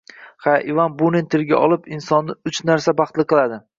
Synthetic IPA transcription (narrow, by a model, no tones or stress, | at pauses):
χaʔɪvanbʊnɪnt̪ʰɪɾɡʲaʔɒlˠɪpɪnsɒnːɪʊt͡ʃnaɾsabɑχt̪lɪqʰɨlˠad̪ɪ